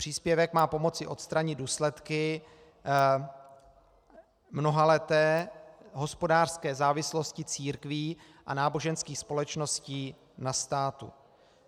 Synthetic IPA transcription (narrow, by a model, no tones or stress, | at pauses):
pr̝̥iːspjɛvɛkmaːpo̞mo̞t͡sɪʔo̞t̪st̪ɾaɲɪd̪duːslɛt̪kɪ | mno̞ɦalɛt̪ɛːɦo̞spo̞daːr̥skɛːzaːvɪslo̞scɪt͡siːɾkviː | ʔa̰naːbo̞ʒɛnskiːxspo̞lɛt͡ʃno̞sciː | nast̪aːt̪ṵ